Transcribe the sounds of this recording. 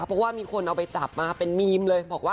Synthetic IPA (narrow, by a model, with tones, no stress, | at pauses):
pʰɾɔ˦waː˥˩miː˧kʰo˧nʔa˧wpa˧jt͡ɕa˨˩p̚maː˧˩pe˧nmiː˧mlɤː˧jbɔː˨˩k̚waː˥˩